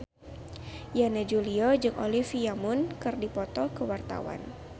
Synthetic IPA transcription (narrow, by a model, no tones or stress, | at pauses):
janad͡ʒuliɔd͡ʒɨŋʔo̰lifiamʊnkɨrdipɔt̪ɔkəwart̪a̰wa̰n